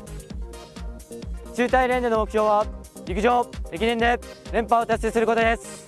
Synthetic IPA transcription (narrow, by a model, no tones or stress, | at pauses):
t͡ɕɨːt̪aiɾe̞nd̪ono̞mo̞kɯ̟çʲjo̞ːβaikɯ̟ʑo̞ːekʲinend̪e̞ɾẽ̞mpao̞t̪asːe̞sɨɾɯ̟ko̞t̪o̞d̪e̞sɨ̥